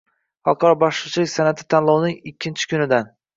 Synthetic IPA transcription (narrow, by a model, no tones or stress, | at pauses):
hɒ̰lˠqʰɒɾɒbɒʃlˠɨt͡ʃʰɪlɪkʲsanat̪ʰɪ̥t̪ʰanlˠɒwnɪŋɪkʲʰːɪnt͡ʃʰɪ̥kʲʰʊnɪd̪an